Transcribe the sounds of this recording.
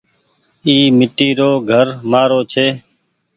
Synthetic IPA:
iːmɪʈiːɾoːɡʱəɾmaːɾoːt͡ʃʰeː

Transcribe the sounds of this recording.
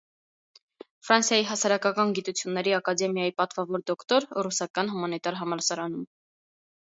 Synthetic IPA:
fɾɑnsjɑjiɦɑsɑɾɑkɑkɑnɡit̪ut͡sʰjunːɛɾiɑkɑd̪ɛmjɑjipɑt̪vɑvɔɾd̪ɔkt̪ɔɾrusɑkɑnɦumɑnit̪ɑɾɦɑmɑɾsɑɾɑnum

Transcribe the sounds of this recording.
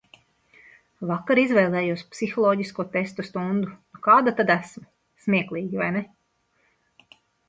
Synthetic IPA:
vakːaɾizvɛjlˠɛːjuɔspsixɔlˠɔːɟiskuɔt̪est̪ust̪und̪unukaːd̪at̪ad̪æsmu | smʲiɛklˠiːɡʲivajnɛ

